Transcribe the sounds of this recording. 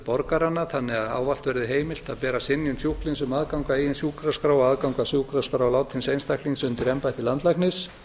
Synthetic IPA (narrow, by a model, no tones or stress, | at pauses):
pɔɾkaɾanːaθanːɪɣaða̰ːwval̥t̪vɛɾðɪɦeːjmɪl̥t̪aðpɛːɾasɪnːjʏnsjuhklɪnsʏmaðkawŋkaijɪnsjuːkɾaskɾawaaðkawŋkasjuːkɾaskɾawlaːwt̪fɪnsejnst̪ahkliŋsʏnt̪ɪɾɛmpajht̪ɪlant̪lajknɪs